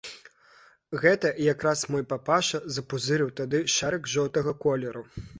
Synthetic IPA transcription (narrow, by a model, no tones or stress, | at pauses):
ɣɛt̪ɐjakɾasmɔjpapaʂɐzɐpuzɨɾɨwt̪ad̪ɨʂaɾɐkʐɔwt̪ɐɣɐkɔlʲɛɾu